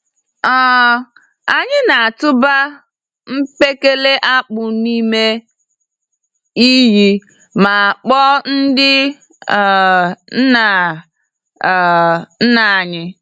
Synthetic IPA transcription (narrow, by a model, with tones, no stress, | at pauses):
ɔ˦˨ | a˨ɲɪ˦na˨a˨tʊ˦ba˦ | m̩˦pe˦ke˦le˦ʔa˦k͡pʊ˨ni˦me˦ | i˦ji˦ | ma˨a˨k͡pɔ˦n̩˦dɪ˦˨ | n̩˦na˨ | n̩˦na˨ɲɪ˦